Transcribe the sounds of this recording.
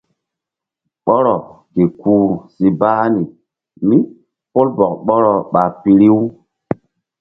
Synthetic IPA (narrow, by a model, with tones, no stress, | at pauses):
ɓɔ˦ɾɔ˨ | ke˨kuː˨˦˨si˨baː˦ni˨ | mi˦ | po˦lbɔ˨k̚ɓɔ˦ɾɔ˨ɓa˨pi˨ɾi˦w